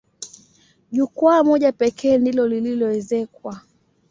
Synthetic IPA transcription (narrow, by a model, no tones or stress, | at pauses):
ʄukwamɔʄapɛkʰɛːndilɔlililɔɛzɛkwa